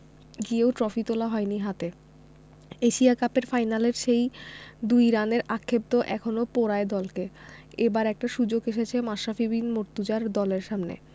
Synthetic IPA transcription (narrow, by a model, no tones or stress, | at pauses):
ɡieoʈɾɔfit̪olaɦɔeniɦat̪e | eʃiakapeɾfajnaleɾʃejd̪ujɾaneɾakʰːeb̚d̪oʔɛkʰonopoɾaed̪ɔlkeebaɾɛk̚ʈaʃud͡ʑoɡeʃet͡ɕʰemaʃːafibinmoɾt̪ud͡ʑaɾd̪ɔleɾʃamnḛ